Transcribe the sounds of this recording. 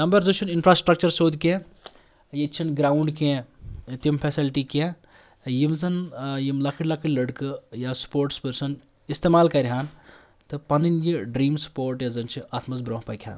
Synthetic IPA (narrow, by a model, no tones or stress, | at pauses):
ɐmbɐɾzɨt͡ʃʰininfʰɾaːsʈɾɐk̚t͡ʃɐɾsoːd̪kẽː | jet͡ʃʰinɡɾaːuɳɖkẽt̪impʰesilʈikẽ | jimzɐnjimlɐkʰiʈlɐkʰɨlɐɽkɨjaspoːɾʈspəɾsɐn | ist̪eːmaːlkɐɾʲɦaːn | t̪ɨpɐnɨnjiɖɾiːmspoːɾʈjezɐnt͡ʃʰiɐt̪ʰmɐzbɾõːɦpɐjkʲʰa̰ːn